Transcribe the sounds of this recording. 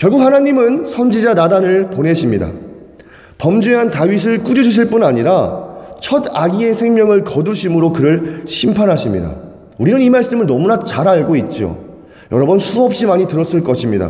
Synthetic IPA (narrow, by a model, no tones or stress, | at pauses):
kjʌɭɡuk̚hanaɲimɯnsʰʌnd͡ʑid͡ʑanadanɯɭponɦe̞ɕʰimɲida̰ | pʌmd͡ʑeɦantaɥis̬ʰɯɭk͈ud͡ʑiɕʰʌɕ̬ʰiɭp͈unaɲiɾat͡ɕʰʌdaɡie̞sʰeŋmjʌŋɯɭkʌduɕʰimɯɾokɯɾɯɭɕʰimpʰanɦaɕʰimɲḭda̰ | uɾinɯnimaɭs͈ɯmɯɭnʌmunat͡ɕaɾaɭɡoit̚t͡ɕ͈io̰ | jʌɾʌbʌnsʰuʌp̚ɕ͈imaɲitɯɾʌs͈ɯɭk͈ʌɕʰimɲida̰